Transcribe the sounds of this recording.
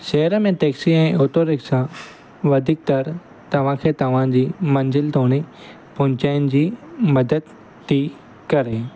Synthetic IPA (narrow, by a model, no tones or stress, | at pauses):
ʃɐɦəɾəmẽt̪eːksiɛ̃ːʔʊːt̪oɾɪksã | ʋɐd̪ʱik̚t̪ɐɾ | t̪ɐʋ̤ãkʰeːt̪ɐʋ̤ãd͡ʑiːmɐ̃nzɪlt̪oːɽ̃i | pʊ̃ɲt͡ɕaːɪnɪ̆d͡ʑiːmɐd̪əd̪ | t̪ʰːiː | kɐɾeː